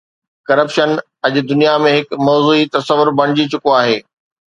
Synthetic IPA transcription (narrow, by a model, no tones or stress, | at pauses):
kɐɾəpʃən | ɐʄʊ̆d̪ʊnijamẽɦɪkmɔːzuːit̪ɐsəʋʊɾbʱɐɽ̃ɪd͡ʑit͡ɕʊkoaːɦeː